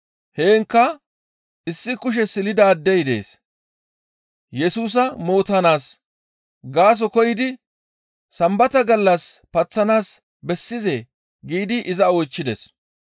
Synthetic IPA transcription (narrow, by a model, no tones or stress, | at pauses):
he̞ːŋkːɐ | ʔɪsːɪkʊʃ̬ɛsɪlɪd̪ɐːd̪ːɛjd̪e̞̰ːs | jɛsuːs̬ɐmo̞ːt̪ɐnaːs | ɡaːs̬ɔkɔjɪd̪ɪ | sɐmbɐt̪ɐɡɐlːɐspɐt͡sːɐnaːs | bɛsːɪze̞ː | ɡiːd̪ɪʔɪzɐɔjt͡ʃːɪd̪ɛs